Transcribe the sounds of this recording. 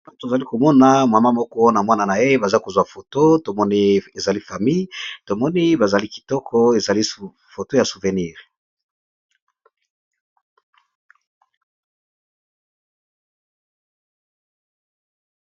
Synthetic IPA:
to˨za˨li˦ko˨mɔ˦na˨ma˨ma˦mɔ˦kɔ˦wɔ˦na˨mwa˦na˨na˨je˦e˦ba˨za˦ko˨zwa˨fo˨to˦to˨mɔ˦ni˦e˨za˨li˦fa˨mi˦jto˨mɔ˦ni˦ba˨za˨li˦ki̥˨tɔ˦kʰɔ˦e˨za˨li˦ | fo˨to˦ja˨su˨ve˨ni˦˨ʁ

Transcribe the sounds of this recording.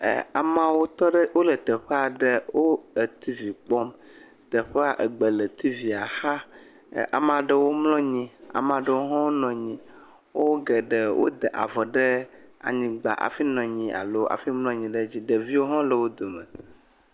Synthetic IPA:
a̰˨mã˨wo˦t̪ɔ˦ɖə˦wo˦lə˨t̪ə˨ɸə˦a˨ɖə˦wo˦ə˨t̪i˦vi˨k͡pɔ˦m | t̪ə˨ɸə˦a˨ʔə˨ɡ͡bə˨lə˨t̪i˦vi˨a˨xa̰˦˨ | ʔa̰˨m˦a˨ɖə˦wo˦mlɔ̃˦ɲĩ˦a̰˨m˨ã˨ɖə˦wo˦ɦɔ̃˦wo˦nɔ̃˨ɲĩ˨ | wo˦ɡə˨ɖə˨wʔo̰˦d̪ə˨ʔa̰˨vɔ˨ɖə˦a̰˨ɲĩ˨ɡ͡ba̰˨ʔa̰˨fi˦nɔ̃˨ɲĩ˨ʔa̰˨lo˦a̰˨fi˦mlɔ̃˦ɲĩ˨ɖə˦d͡ʑi˦ɖə˨vi˦wo˦ɦɔ̃˦lə˨wo˦d̪o˨mə̃˨

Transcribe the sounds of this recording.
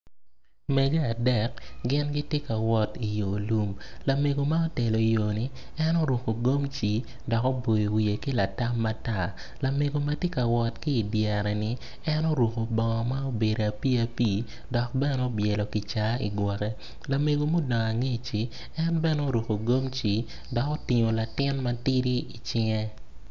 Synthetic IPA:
mɛ˨ɡe˦a˨dɛ˦k̚ɡɪ˦nɡɪ˦tjɪ˦ka˨wɔ˦ti˨jo˨lu˦mla˨me˨ɡo˨ma˦o˦te˨lo˨i˨jo˨ni˦ | ɛ˦no˦ɾo˨ko˨ɡo˦mt͡ʃi˨ | dɔ˨ko˦bo˨ji˨wi˨e˨ki˦la˨ta˦mːa˦ta˦ | la˨me˨ɡo˨ma˦tje˦ka˨wɔ˦tkɪː˦˨djɛ˨ɾɛ˨nɪ˦ | ɛ˦no˦ɾwo˨ko˨bɔ˨ŋɔ˨ma˦o˦be˨ɾo˨a˨pi˦a˦piː˦ | dɔ˨k̚bɛ˦no˦bjɛ˨lɔ˨ki˨t͡ʃa˨ḭ˨ɡwɔ˨kɛ˦ | la˨me˨ɡo˨mo˦dɔ˨ŋa˨ŋe˦t͡ʃi˨ | ɛ˦nbɛ˦no˦ɾo˨ko˨ɡo˦mt͡ʃi˨ | dɔ˨ko˦ti˨ŋo˨la˨tɪ˦nma˦ti˦ɾi˦i˨t͡ʃɪ˦ŋɛ˦

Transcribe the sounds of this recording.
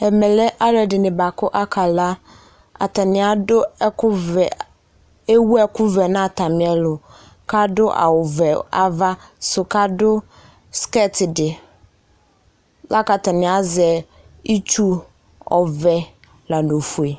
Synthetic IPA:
ɛ˨mɛ˨lɛ˦ʔa˦lɛ˨dɪ˨nɪ̃˨ba˨kʰʊ˦ʔa˦kʰa˨la˦ | a̰˨ta˨nɪ̃˨a˨dʊ˦kʊ˦v | e˦wu˦ɛ˦kʰʊ˦vɛ˨nã˦a˨tʰa˨mɪ̃˨ɛ˦lʊ˨ | kʰa˦dʊ˦ʔa̰˨wʊ˨vɛ˨a˨va˦sʊ˨kʰa˦dʊ˦ | skɛ˦tʰɪ˨dɪ˨ | la˦ka˨tʰa˨nɪ̃˨a˦zɛ˨ | i˦t͡ʃʰu˦ | ɔ̰˨vɛ˨ | la˨nõ˨fu˨e˨

